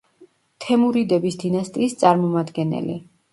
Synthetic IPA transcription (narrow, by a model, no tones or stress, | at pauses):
t̪ʰɛmuɾid̪ɛbisd̪inast̪ʼiːst̪sʼaɾmɔmad̪ɡɛnɛ̰lḭ